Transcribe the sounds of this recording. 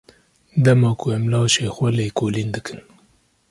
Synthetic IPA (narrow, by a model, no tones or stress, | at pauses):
d̪amɑkuemlɑːʃexwalejkolind̪ɨkɨn